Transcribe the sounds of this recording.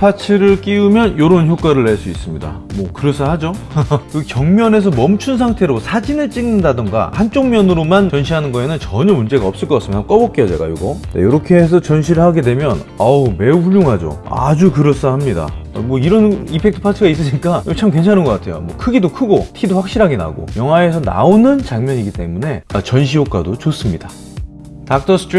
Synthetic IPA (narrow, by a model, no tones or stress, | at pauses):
pʰat͡ɕʰɯɾɯɭk͈iumjʌnjoɾonçjok͈aɾɯɭːeɭs͈uis͈ɯmɲida̰mwʌkɯɾʌs͈ʰʌhad͡ʑokɯkjʌŋmjʌne̞s̬ʰʌmʌmt͡ɕʰuns̬ʰaŋtʰe̞ɾosʰad͡ʑinɯɭt͡ɕ͈iŋnɯndadɯŋɡa̰hant͡ɕ͈oŋmjʌnɯɾomant͡ɕʌnɕʰiɦanɯnɡʌe̞nɯnt͡ɕʌɲʌmund͡ʑe̞ɡaʌps͈ɯɭkʌkas͈ɯmijnɦamk͈ʌbʌk͈eʌd͡ʑeɡa̰joɡʌda̰joɾʌkʰe̞ːs̬ʰʌt͡ɕʌnɕ̬ʰiɾɯɭhaɡe̞dwe̞mjʌn | ame̞uɸuʎjoŋɦad͡ʑo̰a̰d͡ʑukɯɾʌs͈ahamɲida̰mwʌiɾʌnipʰe̞k̚tʰɯ̥pʰasʰɯɡais̬͈ɯɕik͈at͡ɕʰamkwent͡ɕʰanɯnɡʌk͈atʰe̞jo̰mwʌ̰kʰɯɡidokʰɯɡotʰidoɸwak̚ɕ͈iɾɦaɡe̞na̰ɡo̰jʌŋɦwae̞sʰʌna̰onɯnt͡ɕaŋmjʌɲiɡit͈e̞mune̞at͡ɕʌnɕ̬ʰiok͈adot͡ɕos͈ɯmɲid̥a | tak̚t͈ʰʌsʰtʰ